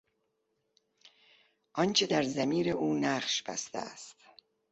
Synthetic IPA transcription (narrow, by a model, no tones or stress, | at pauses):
ʔɒnt͡ʃʰe̞d̪æɾzæmiːɾe̞ʔuːnæχʃb̥æ̰st̪æ̰æst̪